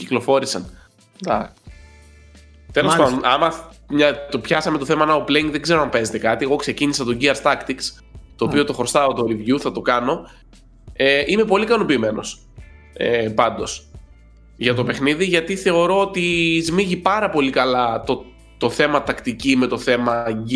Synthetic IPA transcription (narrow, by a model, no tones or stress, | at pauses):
ciklo̞fo̞ɾisɐ̰n | θelospɐɐmɐmɲɐt̪opçɐsɐme̞t̪o̞θemɐnɐopleiŋɡðe̞ɡze̞ɾoɐmpe̞ze̞t̪e̞kɐt̪ie̞ɣo̞kse̞cinisɐt̪o̞ɟiɐɾst̪ɐkt̪iks | t̪o̞ːpio̞t̪o̞xost̪ɐot̪oolivʝuθɐt̪o̞kɐno̞ | eʔime̞po̞likɐno̞piːme̞no̞̰s | epɐnd̪o̞s | ʝɐt̪o̞pe̞xniðiʝɐt̪iθe̞o̞ɾo̞ot̪izmiʝipɐɾɐpo̞likɐlɐt̪o | t̪o̞θe̞mɐt̪ɐkt̪icimet̪o̞θe̞mɐ